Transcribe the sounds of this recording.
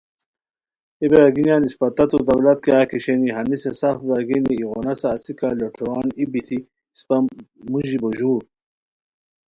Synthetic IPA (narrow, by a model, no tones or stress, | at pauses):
ibɾaɡinjaːnispɐt̪ɐt̪ud̪ɐwlɐt̪kjaːkiɕeniɦɐmisesafbaɡiniːʁonɐsaːsikaloʈʰuwaːnibit̪ʰi | spɐmuʑiboʑuːɾ